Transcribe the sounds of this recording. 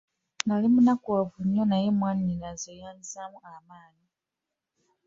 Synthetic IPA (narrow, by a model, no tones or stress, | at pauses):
nalimunakuwavuɲːonajemwaːnininazejaːnzamuamaːni